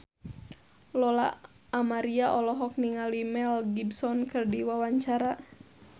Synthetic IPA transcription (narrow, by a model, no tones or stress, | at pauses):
lɔla̰ː | maɾiaʔɔlɔɦɔk̚niŋalimɛlɡibsɔnkɨrdiwawaɲt͡ʃaɾa